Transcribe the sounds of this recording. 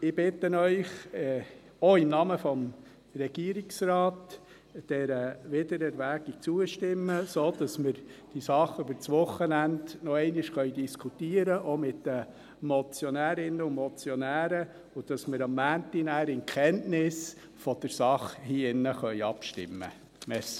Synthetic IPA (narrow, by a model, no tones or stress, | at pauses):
ɪb̥ɪt̪ːənœʏχ | oɪmnɑːməfɔm | ɾɛɡ̥iəɾɪksɾɑːt | d̥ɛɾəʋɪdəɾɛɾʋæːɡik̚t͡suəʃtɪmːəsoːd̥ɑsmɪɾd̥isɑχybəɾt͡sʋʊχːənændnɔɛɪnɪʃχœʏdiskʰutiəɾəʔomɪt̪ːə | mɔt͡sjɔnæːɾɪnːəʊmɔt͡sjɔnæːɾə | ʊd̥ɑsmɪɾɑmːæːnt̪inæːɾɪnkʰɛntnɪs | fɔd̥əɾsɑχhiːɪnːəχœʏɑpʃtɪ̰mːə̰ | mɛɾsi̥